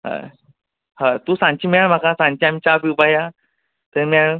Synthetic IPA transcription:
ɦə̰ | hat̪usãɲt͡ɕimaɭm̤akãsãnt͡ɕiamt͡ɕabiubaja | t̪əɾmaɭ

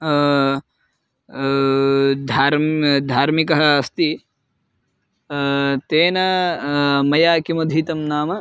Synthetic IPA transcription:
d̪ʱaːɾmd̪ʱaːɾmikɐɦɐ̆ɐst̪i | t̪eːnɐ | mɐjaːkimɐd̪ʱiːt̪ɐmnaːmɐ

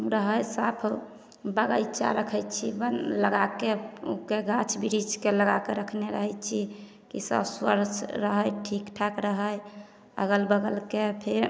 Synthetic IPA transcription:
ɾəɦəjsapʰ | bəɡəjt͡ʃa̰ɾəkʰət͡ʃʰibənləɡakeṵkeɡat͡ʃʰbiɾid͡ʒkeləɡakeɾəkʰneɾəɦəjt̪t͡ʃʰi | kḭsə̰pswə̰ɾt͡ʃʰɾəɦəjʈʰikʈʰakɾəɦəj | ə̰ɡəlbəɡəlkepʰeɾ

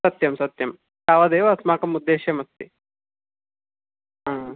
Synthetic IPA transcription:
sɐt̪jɐmsɐt̪jɐm | taːʋɐd̪eːʋɐsmaːkɐmud̪ːeːɕjɐmɐst̪i | aː

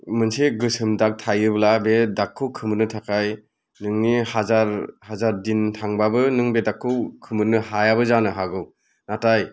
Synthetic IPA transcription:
mɯnseɡɯsɯmdak̚tʰajɯblabedakʰːɯwkʰɯmɯnɯtʰakʰaj | nɯŋnihazaɾhazaɾdintʰaŋbabɯnɯŋbedakʰːɯwkʰɯmɯnɯhajabɯzanɯɦaɡɯw | nataj

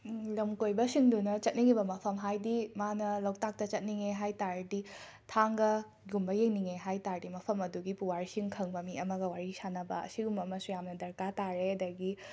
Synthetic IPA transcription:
lɐmkojbɐsiŋdunɐt͡ʃɐt̚niɡibɐmɐpʰɐmɦajdimanɐlɐw̚tak̚tɐt͡ʃɐt̚niŋeɦajtaɾdi | tʰaŋɡɐ | ɡumbɐjeŋniŋeɦajtaɾdimɐpʰɐmɐduɡipuwaɾsiŋkʰɐŋbɐmiɐmɐɡɐwaɾisanɐbɐ̰ɐ̰siɡumɐmɐsujamnɐdɐɾkataɾeɐdɐɡi

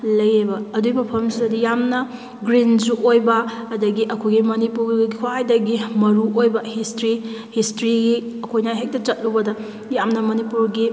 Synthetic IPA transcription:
lɐjebɐːduimɐpʰɐmsizɐdijamnɐ | ɡɾinsuʔojbɐːdɐɡiʔɐkʰojɡimɐnipuɾɡikʰwajdɐɡimɐɾuojbɐhistɾihistɾiɡiɐkʰojnajɦek̚tɐt͡ʃɐt̚lubɐdɐ | jamnɐmɐnipuɾɡi

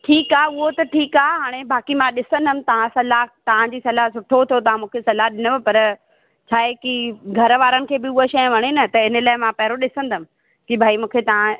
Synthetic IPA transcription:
ʈʰiːkaːʊɦot̪ɐʈʰiːkaːɦaːɽ̃ebaːkimãɗɪsə̃nd̪ʱəmɪ̃̆t̪ɐʋ̤ãsɐlat̪ɐʋ̤ãd͡ʑiːsɐlaɦsʊʈʰot̪ʰot̪ɐʋãmũːkʰesɐlaɦɗɪnəʋɐpɐɾ | t͡ɕʰaːekiɡʱɐɾəʋaːɾənɪ̆kʰeːbɪʊɦoʃɐjə̃ʋɐɽ̃enɐt̪ɐɪnə̆laːɪmãpɐɦɪɾoɗɪsə̃nd̪ʱəmɪ̆ | kibʱaːimũːkʰet̪ɐʋ̤ã

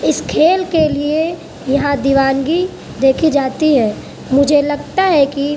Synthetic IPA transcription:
ɪskʰeːlkelie | jɐɦãd̪iʋaːnɡi | d̪eːkʰid͡ʒaːt̪iɦɛ̃ː | mʊd͡ʒʱelɐɡt̪aɦɛki

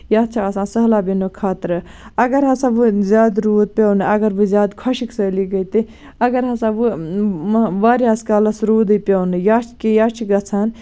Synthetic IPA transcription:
jaːtt͡ʃʰaɐsãːsɐɦlaːbinokʰaːt̪ɾɐɡɐɾɦɐsãːʋɨzʲaːd̪ɾuːt̪̚pʲɐwnɨɐɡɐɾʋɨzʲjaːd̪kʰɐʃiksəːliɡɐt̪i | ɐɡɐɾɦɐsãːʋɨ | ʋaːɾjaːskaːlɐsɾuːd̪ɨpʲownɨjaːt͡ʃʰkejaːt͡ʃʰiɡɐt͡sʰaːn

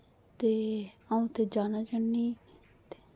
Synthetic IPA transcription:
t̪eːaːũːt̪eːd͡ʒaːnaːd͡ʒanːiː | t̪e̥ː

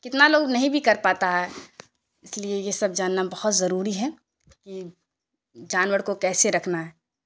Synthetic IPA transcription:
kɪt̪naloːɡnɐɦĩbʱikɐɾpaːt̪aɦɛ | ɪsliejesɐb̚d͡ʒaːnːabɐhɔt̪zɐɾuːɾiɦɛ | ki | d͡ʒaːnʋəɽkokɛːseɾɐkʰnaɦɛː

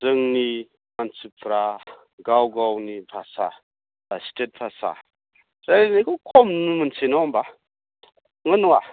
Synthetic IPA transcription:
d͡zəŋni | mant͡sipʰɾa | ɡawɡawnibʰʱasa | bastet̚pʰasa̰ | ɾaɾenikukʰomnumɨnt͡sʰenawmba | ŋənwa

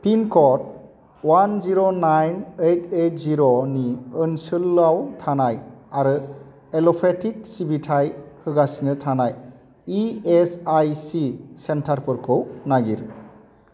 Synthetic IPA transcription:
pʰinkʰɔt̚ | wanziɾonajnejtʰejt̚ziɾɔniɯnsɯlːawtʰanajaɾɯ | elɔpʰetʰik̚sibitʰajhɯɡasinɯtʰanaj | iesajsisentʰaɾpɯɾkʰɯwnaɡiɾ

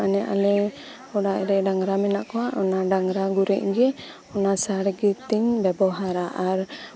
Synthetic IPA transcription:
anɛʔa̰lɛ | ɔɽaʔɾɛɖaŋɾamɛnaʔkɔwaʔɔnaɖaŋɾaɡuɾɛʔ̚ɡɛ | ɔnasaɾɡɛt̪iɲbɛbɔɦaɾaʔaɾ

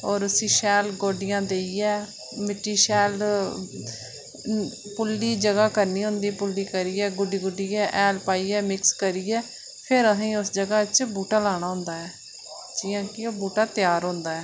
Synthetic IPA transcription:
ɔːɾʊsĩːʃɛːlɡoːɖɪjãːd̪eːiɛː | mɪʈːiːʃɛːl | pʊlːiːd͡ʒəɡaːkəɾniːɦʊ̃nd̪iːpʊlːiːkəɾiːɛːɡʊɖiːɡʊɖiːɛːʔɛːlpaːiːɛːmɪkskəɾiːɛː | pʰɪɾəsĩːʊsd͡ʒəɡaːt͡ʃbuːʈaːlaːɽ̃aːɦʊ̃nd̪aːɛː | d͡ʒɪːãːkɪoːbuːʈaːt̪ɪjaːɾɦõːnd̪aːɛː

